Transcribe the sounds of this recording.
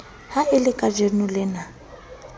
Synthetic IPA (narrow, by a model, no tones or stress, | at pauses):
haɪlɪkʼad͡ʒenʊlɪna